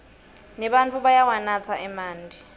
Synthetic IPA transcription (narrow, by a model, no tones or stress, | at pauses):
nɛɓant͡fʰuɓajawanat͡sʰaʔɛmaːndʱi